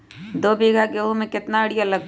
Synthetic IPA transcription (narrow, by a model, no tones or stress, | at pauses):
d̪oːbiːɡʱakeoɦmẽkɪt̪naɐɽɪjalɐɡ